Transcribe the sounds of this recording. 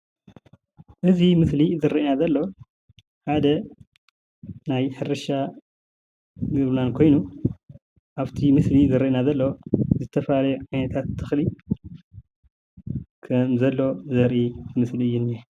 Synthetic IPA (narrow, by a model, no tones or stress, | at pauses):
ʔɨzimɨslizɨɾiʔnazɐlːo̞ | ħad̪ɐ | najħɨɾɨʃa | ɡɨβnankʰo̞jnu | ʔaβt̪ʰimɨslizɨɾiʔnazɐlːo̞zɨt̪ʰɐfalɐjuʕajnɐt̪ʰat̪ʰːɨxli | kʰɐmzɐlːo̞zɐɾʔiɨmɨsliɨjːune